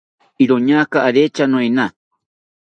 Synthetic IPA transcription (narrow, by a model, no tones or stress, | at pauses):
iɾoɲakaːɾet͡ʃanõena